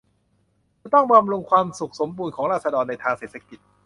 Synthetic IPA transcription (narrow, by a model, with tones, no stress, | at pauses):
t̪ɔ˥˩ŋba˧mɾu˧ŋkʰwaː˧msu˨˩k̚so˩˦mbuː˧nkʰɔː˩˦ŋɾaː˥˩t̪̚sa˧dɔː˧nːa˧jt̪ʰaː˧ŋseː˨˩t̪sa˧ki˨˩t̪̚